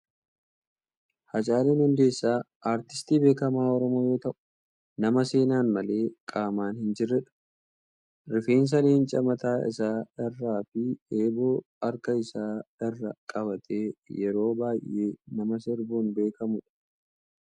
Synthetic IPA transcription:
hɐt͡ʃʼaːleːnhʊnd̪e̞ːsːaː | aːɾt̪ɪ̥st̪iːbe̞ːkɐmaːɔɾɔmoːjo̞ːt̪ɐʔʊ̥ | nɐmɐse̞ːnaːnmɐle̞ːkʼaːmaːnhɪnd͡ʒɪrːɛᶑɐ̥ | ɾɪfeːns̬ɐleːnt͡ʃʼɐmɐt̪aːɪ̰saːɪrːaːfɪeːbo̞ː | ɐɾkɐɪsaːɪrːɐkʼɐβɐt̪ʰʼe̞ːjɛɾo̞ːbaːjʔːeːnɐmɐsɪɾbuːnbe̞ːkɐmʊᶑɐ̥

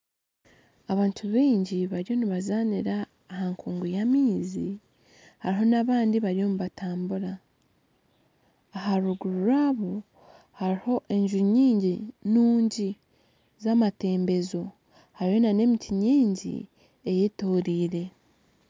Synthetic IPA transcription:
aβaːntʰuβiːɲɟiβaɾijo̞niβazaniɾaː | haŋkʰuːŋɡujamiːzi | haɾiɦo̞naβaːndiβaɾijo̞muβatʰaːmbuɾa | ɦaɾuɡuɾuɾaːβo | haɾiho̞ʔe̞ɲʒuɲiːɲɟinuːɲɟi | zamate̞ːmbe̞zo̞ | haɾiho̞nane̞mitʰiɲiːɲɟḭ | e̞jetoːɾiːɾe̞

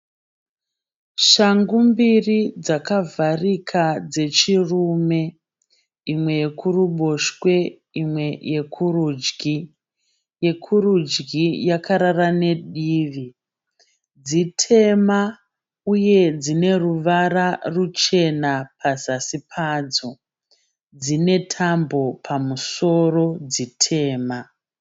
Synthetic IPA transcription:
ʃaŋɡumbirid͡zakavarikʰad͡ze̞t͡ʃiruːme̞ | imwe̞jekʰuruɓo̞ʃkwe̞ | imwe̞jekʰuruːd͡ʒɡi | je̞kʰurud͡ʒɡijakaɾarane̞ɗiːʋi | d͡zitʰe̞ma | uje̞d͡zine̞ruʋararut͡ʃe̞napʰazasipʰaːd͡zo | d͡zine̞tʰambo̞pʰamuso̞ro̞d͡zitʰe̞ːma

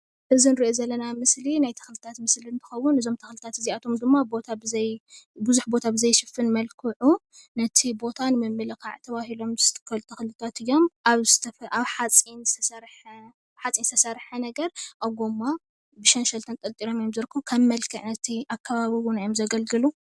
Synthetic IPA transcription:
ʔɨzinɨɾiʔozɐlːɐnamɨslinajt̪ʰɐ̥xlɨt̪ʰat̪mɨslint̪ʰɨ̥xɐwːʊnɨzo̞mt̪ʰɐxlɨt̪ʰat̪ɨziat̪ʰo̞md̪ɨmːabo̞t̪ʰabɨzɐjbɨzuħbo̞t̪ʰabɨzɐjʃɨfɨnmɐlkʰɨʕu | nɐt̪ʰibo̞t̪ʰanɨmɨmːɨlɨkʰa̰ʕt̪ʰɐβahilo̞mzɨt̪ɨ̥kʰɐlt̪ʰɐxlɨt̪ʰat̪ɨjːo̞maβzɨt̪ʰɐfʔaβħat͡sʼinzɨ̥t̪ʰɐsɐɾħ | βħat͡sʼinsɨt̪ʰɐsɐɾħɐnɐɡɐɾʔaβɡomːa | bɨʃɐnʃɐlt̪ʰɐnt̪ʼɐlt̪ʼiɾo̞mɨjomzɨɾkʰːɨβkʰɐmːɐlkʰɨʕnɐt̪ʰiʔakʰːaβaβiwʊnajomzɐɡɐlɡɨlu

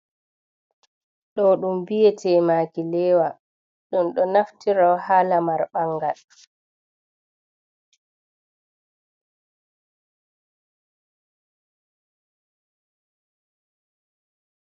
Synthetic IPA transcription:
ɗɔɗumbijɛtʰɛːmaːkilɛːwa | ɗunɗɔnaftiɾawhaːlamaɾɓaŋɡal

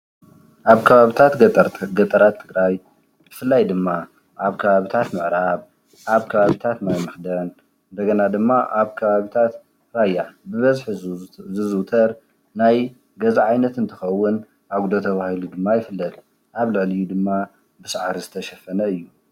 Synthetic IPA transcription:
ʔaβkʰɐβaβit̪ʰat̪ɡɐt̪ʼɐɾat̪ʰːɨɡɾaj | b̥ɨfɨlːajd̪ɨmːa | ʔaβkʰɐβaβit̪ʰat̪mɨʕɾaβ | ʔaβkʰɐβaβit̪ʰat̪najmɨxd̪ɐn | ɨnd̪ɐɡɐnad̪ɨmːaʔaβkʰɐβaβit̪ʰat̪ | ɾajːabɨβɐzħzɨzut̪ʰɐɾ | naj | ɡɐzaʕajnɐt̪ɨnt̪ʰɨxɐwːʊn | ʔaɡud̪ot̪ʰɐβahilud̪ɨmːajɪfɨlːɐd̪ | ʔaβlɨʕlijud̪ɨmːa | bɨsʕaɾizɨt̪ʰɐʃɐfɐnɐɨjːu

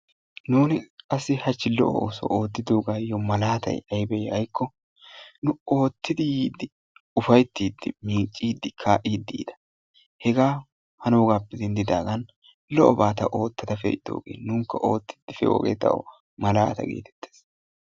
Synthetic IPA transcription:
nuːnɪkʼɐsːɪhɐt͡ʃːɪlɔ̰ʔɔ̰o̰ːsɔ̰oːt̪ːɪd̪oːɡaːjɔmɐlaːt̪ɐ̰jɐjbɛjɐjkːɔ | nʊo̞ːt̪ːɪd̪ɪjiːd̪ɪ | ʊfɐjt̪ːiːd̪ːɪmiːt͡ʃʼːiːd̪ːɪkʰaːʔiːd̪ːḭːd̪ɐ̥ | hɛɡaː | hɐnoːɡaːpːɛzɛnd̪ɪd̪aːɡɐn | lɔʔɔbaːt̪ɐʔo̞ːt̪ːɐd̪ɐfɛ̰ʔɪd̪o̰ːɡḛːnuːŋkːɐʔo̞ːt̪ːɪ̥d̪ɪfɛ̰o̰ːɡeːt̪ɐ̰wɔ̰ | mɐla̰ːt̪ɐ̰ɡḛːt̪ɛ̥t̪ːeːs

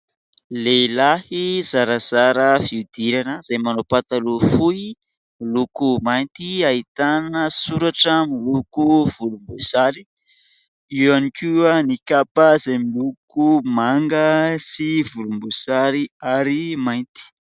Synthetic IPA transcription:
lelahiz̥aɾaz̥aɾəfiud̪iɾanəz̥ajmanopat̪alufui | milukumajnt̪iait̪annəsuɾaʈ͡ʂəmilukuv̥ulumbuz̥aɾi | iwanikuənikapəzajmilukumaŋɡəsivulumbuz̥aɾiaɾimajnt̪i̥

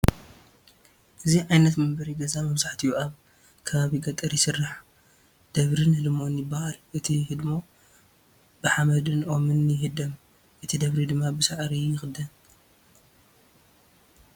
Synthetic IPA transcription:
ʔɨziʕajnɐt̪mɐmbɐɾiɡɐzamɐβsaħt̪ʰijuʔaβ | kʰɐβaβiɡɐt̪ʼɐɾjɪsɨrːaħ | d̪̥ɐβɾinhɨlmo̞njɪbːahalʔɨt̪ʰihɨd̪mo̞ | b̥ɨħamɐd̪ɨnʔomɨnjɪɦɨd̪ɐm | ʔɨt̪ʰid̪ɐβɾid̪ɨmːabɨsaʕɾijɪxɨd̪ɐn

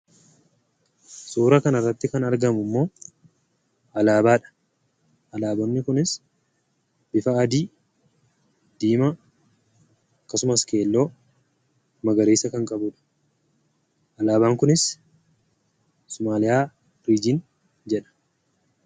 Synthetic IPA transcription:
suːɾɐkɐnɐrːɐt̪ːɪkɐnɐɾɡɐmʊmːo̞ː | ɐlaːbaːᶑɐ̥ | ʔɐlaːbɔnːɪkʊnɪs | b̥ɪfɐːd̪iː | d̪̥iːmɐ | ɐkːɐsʊmɐske̞ːlːo̞ː | mɐɡɐɾeːsɐkɐŋkʼɐbʊᶑɐ̥ | ʔɐlaːbaːŋkʊnɪs | sʊmaːlɪjaː | ɾiːd͡ʒɪn | d͡ʒɛᶑɐ̥

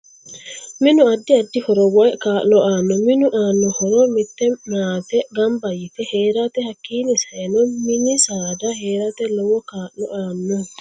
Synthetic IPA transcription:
mɪnʊɐd̪ːɪɐd̪ːɪhɔɾɔwɔjkaːʔlɔʔaːnːɔmɪnʊʔaːnːɔhɔɾɔmɪt̪ːɛmaːt̪ɛɡɐmbɐjɪfɛheːɾat̪ɛhɐkːiːnɪsɐɛnɔmɪnɪsaːd̪ɐheːɾat̪ɛlɔwɔkaːʔlɔ̰ʔaːnːɔ

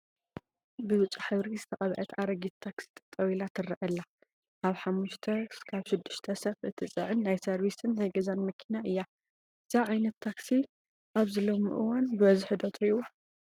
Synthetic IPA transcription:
bɨwɨt͡ʃʼːaħɨβɾizɨt̪ʰɐχʼɐβʕɐt̪ʰaɾɐɡit̪t̪ʰaksi̥t̪ʼt̪ʼɐwilat̪ʰɨrːɐʔɐlːa | kʰaβħamːuʃt̪ʰɐkʰaβʃɪd̪ːɨʃt̪ʰɐsɐfʔɨt̪ʰɨt͡sʼɨʕɨnːajsɐɾβisɨnhɐɡɐzanmɐkʰinaʔɨjːa | ɨz̥aʕajnɐt̪ʰːaksi | ʔaβzɨlomɨʔɨ̰wanbɨβɐzħɨd̪ot̪ʰiwo

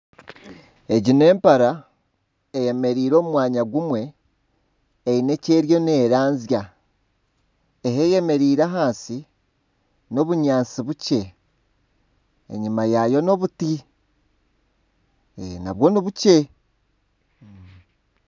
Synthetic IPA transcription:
e̞ɟine̞ːmpaɾa | eje̞me̞ɾiːɾo̞ːmumwaːɲaɡumwe̞ | ine̞ceːɾjo̞ne̞ːɾaːnzja | eɦeje̞me̞ɾiːɾaɦaːnsi | no̞βuɲaːnt͡siβuce̞ | ḛɲimajajo̞no̞βuti | na̰βwo̞niβuce̞

